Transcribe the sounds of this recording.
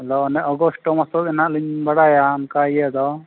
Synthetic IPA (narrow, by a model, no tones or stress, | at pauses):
d̪ɔnɛʔɔɡɔsʈɔmasɔt̪ɛnaʔliɲbaɽajaːmkaijɛd̪ɔ